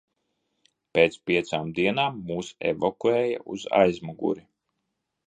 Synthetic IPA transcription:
peːt̪spʲiɛt̪saːmd̪iɛnaːmːuːsɛ̰vɔkuɛːja̰ʔuza̰jzmɔɡṵɾi

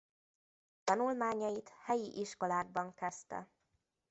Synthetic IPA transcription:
t̪ɒnulmaːɲɒjit̪hɛjiʔiʃko̞laːɡ̚bɒŋkɛst̪ɛ̰

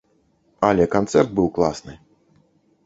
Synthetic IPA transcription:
alʲɛkant̪sɛrd̪̚bɨwklˠasnɨ

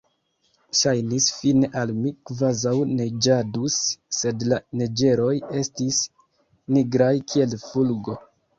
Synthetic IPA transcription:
ʃajnisfineʔalmikvazawne̞d͡ʒadusːe̞dlaned͡ʒe̞ɾo̞je̞stis | niɡɾajkʰie̞lfulɡo̞

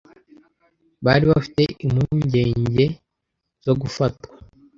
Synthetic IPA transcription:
βaːɾiβafi̥te̞ʔimhuːɲɟe̞ːɲɟe̞ | z̥o̞ɡufatkwḁ

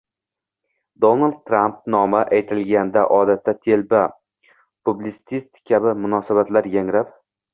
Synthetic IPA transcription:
d̪o̞nald̪̚t̪ʰːɾampnɒmaʔajt̪ʰɪlɡʲand̪aʔɒd̪at̪ʰːat̪ʰe̞lba | pʰublɪsɪ̥t̪ist̪kʲʰabɪmʊnɒsabat̪laɾjaŋɾap

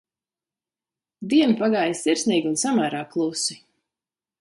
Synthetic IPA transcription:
d̪iɛmpaɡaːjssiɾsniːɡʲunsamæːɾaːklˠusi

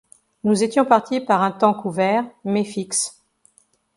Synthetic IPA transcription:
nuzet̪jɔ̃paʁt̪ipaʁɛ̃t̪ɑ̃kuvɛʁmɛfiks

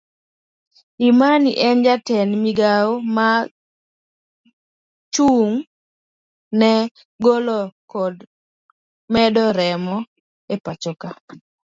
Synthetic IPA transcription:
imaniʔɛnd͡ʒatɛnmiɡaoma | t͡ʃuŋ | nɛ | ɡolɔkɔd | mɛdɔɾɛmɔ | epat͡ʃɔka

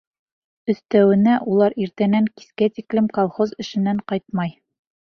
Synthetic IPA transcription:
ɵ̆θt̪æwɘ̆næʔulˠɑɾiɾt̪ænæŋki̥skæt̪iklɘmkolˠχozɘ̆ʃɘ̆nːæɴqɑjt̪̚mɑj

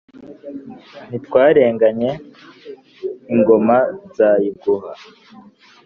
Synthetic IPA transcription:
n̥itwaːɾe̞ːŋɡaɲe̞ | iŋɡo̞mazajiɡuha

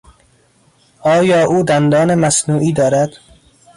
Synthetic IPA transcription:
ɒːjɒːʔuːd̪ænd̪ɒːnemæsnuːʔiːd̪ɒːɾæd̪̥

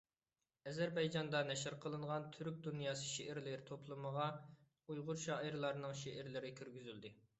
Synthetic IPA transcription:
ɛzɛɾbɑjd͡ʒɑnd̪ɑnɛʃɪɾqʰəlˠɨɴʁɑnt̪ʰyɾk̚ʲd̪unjɑːsɨ̥ʃeʔɪɾlɪɾt̪ʰoplˠɨməʁɑ | ujʁʊɾʃɑːʔiɾlˠɑɾnɨŋʃeʔɪɾlɪɾɪkʲʰyɾɡʲyzyld̪ɪ

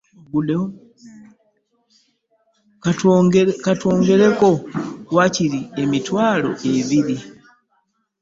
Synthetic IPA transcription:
ɡule | katoːŋɡe̞lekowaciliemitwaːlo̰ʔevili

